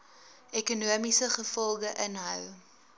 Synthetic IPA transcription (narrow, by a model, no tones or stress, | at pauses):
ekunuəmisəχəfɔlˠɡəʔənɦœ̰w